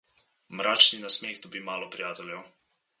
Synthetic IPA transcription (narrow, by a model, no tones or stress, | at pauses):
mɾaːt͡ʃninasmeːɣd̪ɔbiːmaːlɔpɾijaːt̪ɛljɛw